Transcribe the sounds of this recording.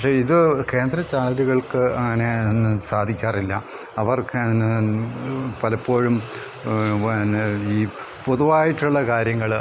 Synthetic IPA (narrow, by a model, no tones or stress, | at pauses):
pɐkʂeːiðɨke̞ːnd̪ɾɐt͡ɕaːɭɐluɣɐɭkɨɐŋːɐne̞nːsaːd̪ʱikʲːaːrilːɐ | ɐʋɐrk | pɐlɐpːo̞ːɻum | iː | poðuʋaːjitːuɭːɐkaːɾjɐŋːɐɭ